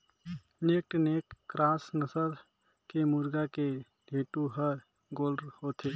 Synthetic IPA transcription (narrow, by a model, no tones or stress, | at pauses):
nek̚ʈnekkɾasnəsəɾ | kemuɾɡake | ɖʱeʈuɦə | ɡoːlɖɾhot̪ʰe